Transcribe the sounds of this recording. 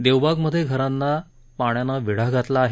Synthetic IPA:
d̪ewbʱaɡməd̪ʱːjeɡʱəɾanːa | paɳ̃janaʋiɽ̤aɡʱat̪laːɦe

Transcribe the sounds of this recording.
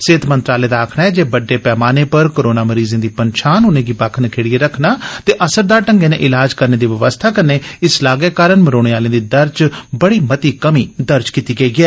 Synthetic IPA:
seːt̪mə̃nt̪ɾaːleːd̪aːkʰnaːɛːd͡ʒeːbəɖːeːpɛːmaːneːpəɾkoːɾoːnaːməɾiːzẽːd̪iːpəɲʃʰaːnʊnẽːɡiːbaːkʰnəkʰeːɽieːɾəkʰnaːt̪eːʔəsəɾd̪aːɾʈəŋɡeːnḛːʔɪlaːd͡ʒkəɾneːd̪iːʋəʋəst̪ʰaːkənːeːɪslaːɡɛːkaːɾəɳməɾoːɽ̃eːaːlẽːd̪iːd̪əɾt͡ʃbəɽiːmət̪iːkəmiːd̪əɾt͡ʃkiːt̪iːɡəiːɡɛː

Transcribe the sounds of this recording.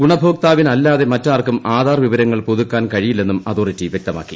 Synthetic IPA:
ɡuɳɐbʱo̞ːk̚t̪aːʋinɐlːaːðe̞mɐtːaːrkumaːd̪ʱaːrʋiʋɐɾɐŋːɐɭpuðukːaːnkɐɻijilːe̞nːumɐðoːritːiʋjek̚t̪ɐma̰ːkːi

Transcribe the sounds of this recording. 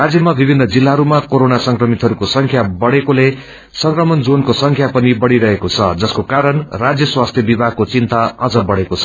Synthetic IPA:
rad͡zjʌmabibʱinːʌd͡zilːaɦʌɾumakoɾonasʌŋkrʌmit̪ɦʌɾukosʌŋkʰjabʌɽekole | sʌŋkrʌmʌnd͡zonkosʌŋkʰjapʌnibʌɽiɾʌɦekot͡sʰʌd͡zʌskokaɾʌnrad͡zjʌswast̪ʰjʌbibʱaɡ̚kot͡sint̪aʌd͡zʌbʌɽekot͡sʰʌ

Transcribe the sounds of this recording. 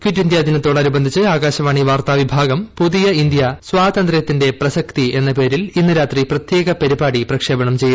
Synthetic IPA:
kitːind̪jaːd̪ʱinɐt̪ːoːɽɐnubɐnd̪ʱit͡ɕːɨaːɡaːɕɐʋaːɳiʋaːrt̪aːʋibʱaːɡɐmpuðijɐind̪jɐswaːt̪ɐnd̪rɐjɐt̪ːinde̞prɐsɐkt̪ie̞nːɐpe̞ːɾilinːɨɾaːt̪riprɐt̪je̞ːɡɐpɐɾibaːɽiprɐkʂe̞ːbɐɳɐmt͡ɕe̞ju

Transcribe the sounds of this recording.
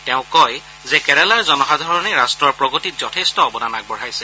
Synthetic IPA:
tɛʊ̃kɔj | zɛkɛɹɛlaɹzɔnɔxadʱɔɹɔneɹastɹɔɹpɹɔɡɔtitzɔtʰestɔːbɔnanak̚bɔɹ̤ajsɛ

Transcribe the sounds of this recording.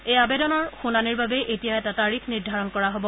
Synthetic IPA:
ejabedɔnɔɹxunaniɹbabɛʔetijaɛtataɹikʰniɹdʱaɹɔnkɔɹaɦobɔ

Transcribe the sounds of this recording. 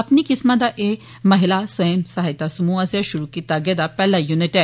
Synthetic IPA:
ɐpnikɪsmãd̪aʔe | mɐɦɪlaswɐjəmsɐɦajt̪asɐmuɐzjaʃʊɾukit̪aɡed̪apɛːlajunɪʈɛ

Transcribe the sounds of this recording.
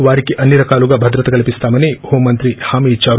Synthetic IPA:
ʋaːɾikiʔɐnːiɾɐkaːluɡɐbʱɐd̪ɾɐt̪ɐkɐlɐpist̪aːmɐnehoːmːɐnt̪ɾihaːmiːd̪̚t͡ʃaːɾ

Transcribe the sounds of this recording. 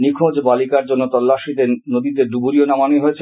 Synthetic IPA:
nikʰod͡ʑbalikaɾd͡ʑonːot̪ɔlːaʃid̪enod̪id̪eɾɖ̪ubuɾionamaneɦoet͡ɕʰe

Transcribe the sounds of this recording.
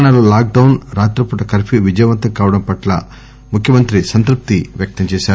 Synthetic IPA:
ɳaːloːlaːk̚ɖɐwnɾaːt̪ɾɐpuʈɐkɐɾpʰiʋid͡ʒɐjɐʋɐnt̪ɐŋkaːʋɐɽɐmpɐʈlɐ̰ | mukʰjɐmɐnt̪ɾisɐnt̪ɾup̚t̪iʋjɐk̚t̪ɐmt͡ʃɛːʃaːɾu

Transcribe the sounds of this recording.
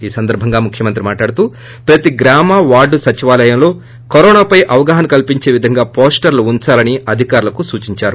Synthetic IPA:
iːsɐnd̪ɐɾbʱɐŋɡaːmukʰjɐmɐnt̪ɾimaːʈlaːɽut̪uː | pɾɐt̪iɡɾaːmaːʋaːɾɖusɐt͡ʃiʋaːlɐjɐmlo̞ː | kɐɾɔːnaːpɐjʔɐʋɐɡaːɦɐnɐkɐlpiɲt͡ʃe̞ːʋid̪ʱɐŋɡaːpoːsʈɐɾluːɲt͡ʃaːlɐniɐd̪ʱikaːɾulɐkusuːt͡ʃiɲt͡ʃaːɾu

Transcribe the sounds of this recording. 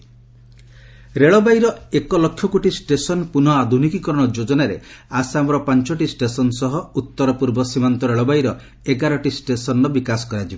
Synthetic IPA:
ɾeɭɔbajɾɔekɔlɔkʰːjɔkoʈisʈesɔnpunɔad̪ʱunikikɔɾɔɽ̃ɔd͡ʒod͡ʒɔnaɾḛasamɔɾɔpant͡ʃɔʈisʈesɔnsɔɦɔut̪ːɔɾɔpuɾbɔsimant̪ɔɾeɭɔbajɾɔ | eɡaɾɔʈisʈesɔnɾɔbikasɔ̥kɔɾad͡ʒibɔ

